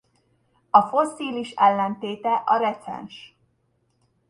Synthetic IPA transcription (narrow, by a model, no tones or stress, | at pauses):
ɒfo̞sːiːliʃɛlːɛnt̪eːt̪ɛʔɒɾɛt̪sɛ̰nʃ